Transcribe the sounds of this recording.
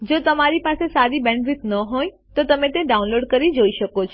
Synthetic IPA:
d͡ʒot̪əmaɾipasesaɾibɛ̃ɳɖʋit̪nəɦoj̃ | t̪ot̪əmẽt̪eɖaunloɽkəɾid͡ʒoiʃəkot͡ʃʰ

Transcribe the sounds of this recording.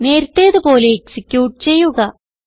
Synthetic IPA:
ne̞ːɾut̪ːeːðɨpo̞ːleːksikʲːjuːʈːɨt͡ɕe̞jːuɣɐ

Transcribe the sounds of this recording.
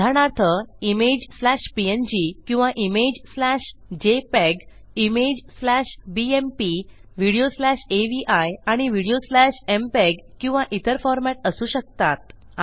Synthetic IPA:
aɽ̃aɾt̪ʰəimed͡ʑslæɕpiend͡ʑikĩw̃ʋaʔimed͡ʑslæɕd͡ʑepɛɡ | imed͡ʑslæɕbiempiʋiɽijoslæɕeʋiʔajaɽ̃iʋiɽijoslæɕempeɡkːĩw̃ʋãʔit̪əɾfɔɾmæʈəsuːɕək̚t̪at̪̚

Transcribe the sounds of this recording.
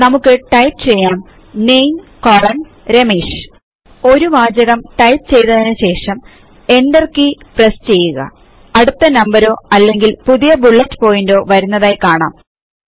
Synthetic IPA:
nɐmukːɨʈɐjʈɨt͡ɕe̞jːaːm | nejmkoːrɐn | ɾe̞miːʂ | o̞ɾuʋaːd͡ʑɐɣɐmʈɐjʈt͡ɕe̞jt̪ɐðinɨɕe̞ːʂɐm | e̞ndɐrkiprest͡ɕe̞jːuɣɐ̰ | ɐɽut̪ːɐnɐmbɐɾo̞ːɐlːe̞ŋɡilpuðijɐbuɭːɐtːɨ̥po̞ːjindo̞ːʋɐɾunːɐðaːjkaːɳa̰ːm

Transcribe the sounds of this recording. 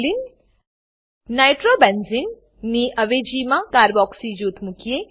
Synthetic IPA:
lin | najʈɾobɛnzɪn | niʔɐʋeːd͡ʒiːmãkaːɾbɔːksid͡ʒuːt̪mʊkije

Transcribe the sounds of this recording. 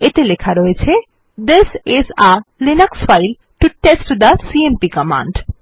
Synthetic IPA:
et̪elekʰaɾɔet͡ɕʰe | d̪ɪsɪzalinəksfajl | ʈuʈesʈd̪əsiempikəmã̰ɳɖ

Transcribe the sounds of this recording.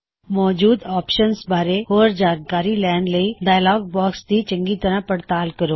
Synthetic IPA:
mɔːd͡ʒuːd̪aːpʃənsbʱaːɾeɦoːɾd͡ʒaːnkaːɾilɛːnɖləiɖaːjlɔːɡ̚bɔːksd̪it͡ʃə̃ŋɡit̪əɾapəɽt̪aːlkəɾoː

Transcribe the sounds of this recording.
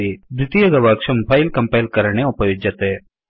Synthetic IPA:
ibɾɪt̪ijɐɡɐʋakʂɐmpʰajlkɐmpajlkɐɾɐɳ̃eupɐjod͡ʒɐt̪eː

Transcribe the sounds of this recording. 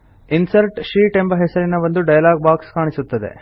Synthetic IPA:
insɐɾʈʃiːʈe̞mbɐɦɛsɐɾinɐʋɐnd̪uɖɐjɐlaːɡ̚baːkskaːɳisut̪ːɐd̪ḛ

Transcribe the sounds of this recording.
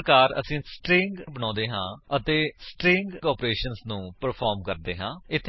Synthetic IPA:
kaːɾə̰sĩːsʈɾɪ̃ŋɡbəñɔ̃ːd̪eːɦãːət̪eːsʈɾɪ̃ŋɡkɔːpɾeːʃənsnũːpəɾpʰɔːɾmkəɾd̪eːɦãːɪt̪ʰː

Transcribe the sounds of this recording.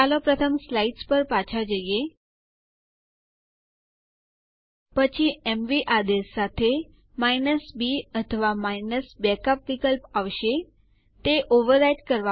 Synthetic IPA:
alɔpɾət̪ʰəmslaiʈspəɾpat͡ɕʰad͡ʑeje | pət͡ɕʰiemʋiʔad̪esːat̪ʰe | majnəsbiət̪ʰəʋamajnəsbɛkəpʋikəlpaʋɕe | t̪eʔoʋəɾajʈkəɾʋa

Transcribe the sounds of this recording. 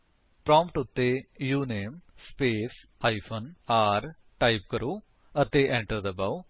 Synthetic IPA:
pɾãːmpʈʊt̪ːejuːneːmspeːsaːipʰənaːɾ | ʈaːip̚kəɾoː | ət̪eːʔɛ̃ːɳʈəɾd̪əbaːo

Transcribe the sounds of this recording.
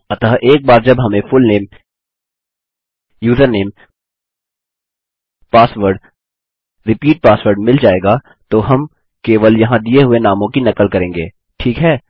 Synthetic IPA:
ɐt̪aɦʔeːk̚baːɾd͡ʒɐbɦɐmẽfʊlneːm | juːzəɾneːm | paːsʋəɾɖ | ɾɪpiːʈ̚paːsʋəɾɖmɪld͡ʒaːeːɡaː | t̪oɦɐm | keːʋəljɐɦãd̪ieɦʊenaːmõkinɐkəlkɐɾẽːŋɡeː | ʈʰiːkɦɛː

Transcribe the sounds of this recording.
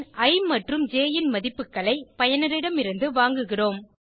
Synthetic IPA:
ʔɐɪmɐʈrɯmd͡ʒeːjɪnmɐðɪpːɯkːɐɭɐɪpɐjɐnɪɾɪɽɐmɪɾɯnd̪ɯʋaːŋɡɯɣɪroːm

